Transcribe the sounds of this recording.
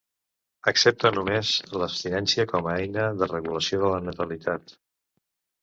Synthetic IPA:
əksep̚t̪ənumezləpst̪inɛnsiəkɔməɛjnəðərəɣuləsioðələnət̪əlit̪ʰat̪

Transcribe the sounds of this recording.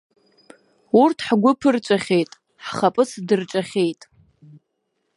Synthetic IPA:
urtʰħɡʷʊpʰɨrt͡ʃʷʼaχʲe̞jtʼ | ħχapʼɨsdɨrt͡ʃʷʼaχʲejtʼ

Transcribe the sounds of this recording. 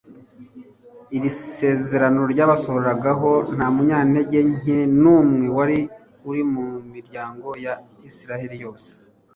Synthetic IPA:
iɾise̞ːze̞ɾano̞ɾɟaːβaso̞βoɾaɡaɦo̞n̥hamuɲaːnhe̞ɟe̞ɲenuːmŋe̞waɾi | uɾimumiɾɟaːŋɡo̞ja | isiɾaheɾijo̞ːse̥

